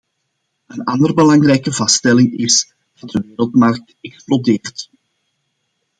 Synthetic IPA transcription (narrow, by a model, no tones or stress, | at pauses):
ənɑndərbəlɑŋrɛjkəvɑstɛlɪŋɪs | d̥ɑt̚dəʋeːɾəlˠtmɑrk̚tɛksplodeːrt